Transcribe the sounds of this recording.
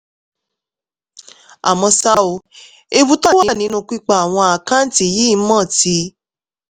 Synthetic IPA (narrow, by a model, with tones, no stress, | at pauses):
a̰˨mɔ̃˧sa˦o˧˦ | e˧bu˦tɔ˦wa˨˦˨nĩ˨˦nũ˦˨˧k͡pi˦k͡pa˦˨a˨w̃ɔ̃˧a˨kã˦n̩˦ti˧˨ji˦˧˦mɔ̃˦˨ti˧˦